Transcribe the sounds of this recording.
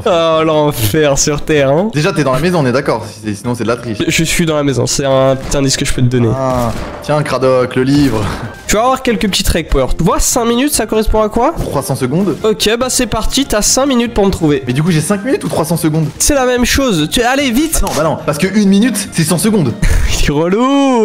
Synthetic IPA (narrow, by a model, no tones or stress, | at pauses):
ɔlɑ̃fɛʁsyʁt̪ɛʁɛ̃d̪eʒat̪yɛd̪ɑ̃lamezɔ̃nɛd̪akɔʁsisɛsinɔ̃sɛd̪lat̪χiʃəʒəsɥid̪ɑ̃lamezɔ̰̃sɛɛ̃pət̪it̪ɛ̃d̪iskəʒəpøt̪əd̪ɔnet̪jɛ̃kχad̪ɔkləlivʁt̪yvaːvwaʁkʲɛlkəp̬ət̪it̪χɛk̚pœʁt̪yvwasɛ̃minyt̪sakɔʁɛspɔ̃akwat̪χwasɑ̃səɡɔ̃d̪ɔkʲebasɛpaʁt̪it̪yasɛ̃minyt̪̚puʁmət̪χuvemɛd̪ykuʒɛsɛ̃kminyt̪ut̪χwasɑ̃səɡɔ̃d̪sɛlamɛmʃozt̪yɛalevit̪nɔ̃banɔ̃paʁsəkəʔynminyt̪sɛsɑ̃səɡɔ̃d̪iʁəlu